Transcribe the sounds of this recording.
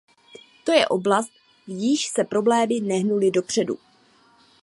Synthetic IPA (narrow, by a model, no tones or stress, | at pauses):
t̪o̞jɛʔo̞blast̪̚ | jɪʃsɛpɾo̞blɛːmɪnɛɦnulɪdo̞pr̝̥ɛdṵ